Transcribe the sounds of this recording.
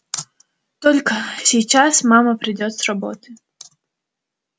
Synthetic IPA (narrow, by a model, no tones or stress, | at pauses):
t̪ɔlʲkɐsʲijt͡ʃasmɑmɐpɾɪdʲɔt̪sʲrɔbɔ̰t̪ɪ̥